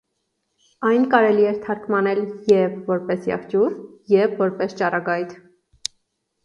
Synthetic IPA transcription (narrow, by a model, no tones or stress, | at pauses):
ɑjnkɑɾɛliɛɾt̪ʰɑɾkmɑnɛljɛvvɔɾpɛsjɑ̰χt͡ʃuɾjɛvvɔɾpɛst͡ʃɑrɑɡɑjt̪ʰ